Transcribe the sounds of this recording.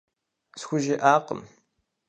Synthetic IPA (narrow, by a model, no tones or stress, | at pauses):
sxʷʊʒɪʔaːqə̰m